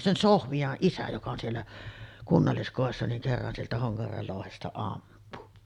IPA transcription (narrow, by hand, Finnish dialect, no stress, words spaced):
sen sohʋiɑʔ ʔisæ jokɑ on sielːæ kunːɑlːiskoˑesːɑ niŋ kerːɑn sieltæ hoŋkɑjærʋel loˑuhestɑ ɑmpu